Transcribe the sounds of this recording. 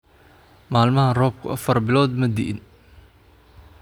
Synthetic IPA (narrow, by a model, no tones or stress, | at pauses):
maːlmɐhɐrɔːb̚kʰʊ̰ʔɐfɐrbɪlɔːd̪mɐd̪ɪʔɪn